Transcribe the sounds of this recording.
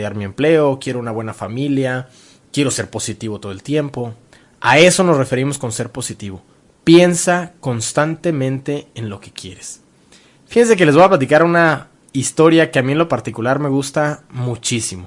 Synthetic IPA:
jaɾmiemple̞o̞kje̞ɾo̞unaβwe̞nafamilja | kje̞ɾo̞se̞ɾpo̞sit̪iβot̪o̞ð̞elt̪je̞mpo̞ | a̰e̞so̞no̞sre̞fe̞ɾimo̞sko̞nse̞ɾpo̞sit̪iβo̞ | pje̞nsako̞nst̪ant̪e̞mẽ̞nt̪e̞ːnlo̞ke̞̥kje̞̰ɾe̞s | fixe̞ns̬e̞k̬ele̞zβojaplat̪ikaɾuna | ist̪o̞ɾjakeamĩe̞nlopaɾt̪ikulaɾme̞ɣust̪amut͡ʃisimo̞

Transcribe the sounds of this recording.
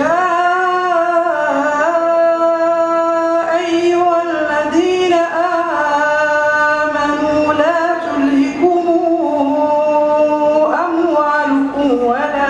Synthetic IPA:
jaː | ʔajʊhalːaðiːnaʔaː | manuːlaːt̪ʊlːɪkʊmʊ | ʔamwaːlʊkʊwala

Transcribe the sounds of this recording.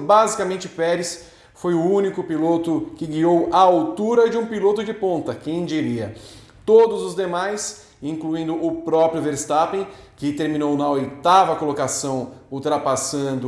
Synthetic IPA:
bazikamẽnt͡ʃɪpɛɾɪs | fojʊũnikʊpilot̪ʊkɪɡiowɐawt̪uɾɐd͡ʒɪũpilot̪ʊd͡ʒɪpõnt̪ɐkẽj̃d͡ʒiɾiɐ | t̪od̪ʊzʊzd̪emajs | ĩŋkluĩnd̪ʊʔʊpɾɔpɾjʊveɾst̪apẽj̃ | kɪt̪eɾmĩnownawɪt̪avɐkolokasɐ̃w̃uwt̪ɾapasɐ̃nd̪ʊ

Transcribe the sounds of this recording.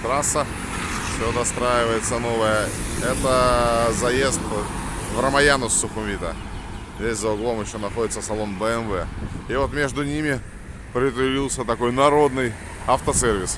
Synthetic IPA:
t̪ɾasːə | fsʲod̪ɐst̪ɾajɪvəjɪt̪səno̞vəjəɛt̪əzɐjest̪vɾəmɐjanʊsːʊxʊmvʲit̪ə̰ | vʲesʲzəʊɡlˠo̞mjɪɕːonɐxo̞dʲɪt̪səfsɐlˠo̞nbəɛnvɛ̰ɪvo̞t̪mʲe̞ʐd̪ʊnʲimʲɪ | pɾʲɪt̪ɪlʲilˠsʲət̪ɐko̞jnɐɾo̞d̪nɨj | ɐft̪əsʲervʲɪs

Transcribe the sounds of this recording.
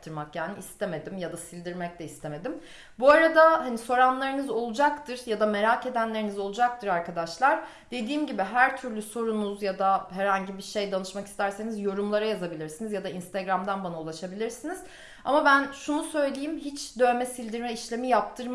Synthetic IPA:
t̪ʰɯɾmakjaːniist̪ʰeme̞d̪imjad̪asilʲd̪iɾmɛc̚lʲɛist̪ʰe̞me̞d̪im | buaɾad̪aɦaniso̞ɾanlˠaɾɯnɯzo̞lˠud͡ʒakt̪ʰɯɾjad̪ame̞ɾaːke̞d̪ænlʲeɾinizo̞lˠud͡ʒak̚t̪ʰɯɾaɾkad̪aʃlˠaɾ | d̪e̞d̪iːmɟibiɦæɾt̪ʰyɾlʲyso̞ɾunuzjad̪aɦɛɾhaɲɟibiɾʃejd̪anɯʃmaki̥st̪ʰæɾsenizjo̞ɾumlˠaɾajazabilʲiɾsinizjad̪ainst̪ʰaɡɾamd̪anbanaulˠaʃabilʲiɾsiniz̥ | a̰mabænʃunusø̞jlʲejimhit͡ʃd̪ø̞nmɛsilʲd̪iɾmɛiʃlʲe̞mijap̚t̪ʰɯɾ

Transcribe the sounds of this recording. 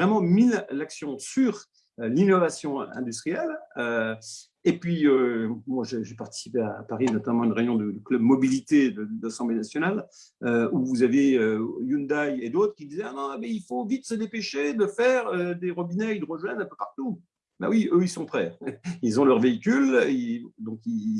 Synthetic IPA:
ʁɛmɑ̃milːaksjɔ̃syʁ | ølinɔvasjɔ̃ɛ̰̃d̪ys̬t̪χijɛlø | epɥiømwaʒeʒepaʁt̪i̥si̥pea̰paʁinɔt̪amɑ̃ynʁeynjɔ̃d̪əd̪klœbmɔbilit̪ed̪əd̪asɑ̃blenasjɔnal | øuvuzaveøjund̪ajed̪ot̪χəkʲid̪izɛanɔ̃bɛilfovit̪səd̪epeʃed̪əfɛʁød̪eʁɔbinɛilʁəʒwɛnɛ̃pøpaʁt̪u | ba̰wiøilsɔ̃pχɛilzɔ̃lœʁveikʲylid̪ɔ̃ki

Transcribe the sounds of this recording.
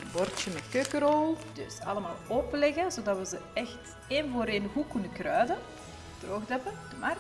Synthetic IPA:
bɔrtəmɛkøkəɾolˠd̥ɵ̰sɑ̰ləmaːlˠɔplɛɣəzodɑtʋəzəɛxt | envoːɾeːnəɦukːunəkrœːɥdə | droːxdɛpəd̥əmar

